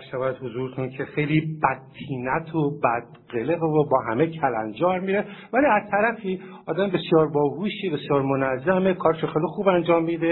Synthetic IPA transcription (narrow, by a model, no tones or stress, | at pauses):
æɾʃævæd̪hozuːɾet̪ʰuncʰe̞xejliːbæt̪̚ʰːiːnæt̪ʰobæd̪̥̚ɢeleɣovobɒːɦæmecʰælæ̰nd͡ʒɒːɾmiːɾevæliːæz̥t̪ʰæɾæfiː | ɒːd̪æmbe̞sjɒːɾbɒːɡuːʃebe̞sjɒːɾmonæzːæme̞kʰɒːɾeʃoxejlixuːbænd͡ʒɒːmːiːd̪e